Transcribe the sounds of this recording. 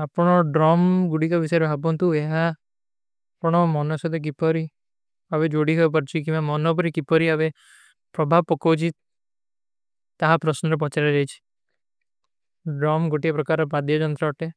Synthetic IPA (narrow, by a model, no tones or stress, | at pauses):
apɽ̃ɔɖɾɔmɡuɽikɔbisɔɾbʱabɔnt̪ueɦa | pɽ̃ɔmɔnɔsɔd̪ek̬ipɔɾi | abed͡ʒoɽiɦɔjp̬ɔɾt͡ʃʰikĩmamɔnɔp̬ɔɾikipɔɾiabe | pɾɔbʱabpɔkɔt͡ʃʰi | t̪aɦapɾɔsnɔɾep̬ɔt͡ʃaɾed͡ʒajt͡ʃʰi̥ | ɖɾɔmɡoʈiapɾɔkaɾɔpad̪jɔd͡ʒɔnt̪ɾaɔʈe